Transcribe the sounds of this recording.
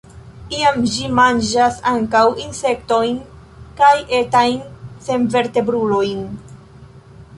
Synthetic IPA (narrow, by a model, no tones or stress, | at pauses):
iamd͡ʒimand͡ʒasaŋkawinse̞k̚to̞jn | kaje̞tajnse̞nve̞ɾte̞bɾulo̞jn